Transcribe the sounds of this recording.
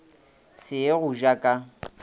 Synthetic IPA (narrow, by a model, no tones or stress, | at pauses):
sɪeɣʊʒakʼa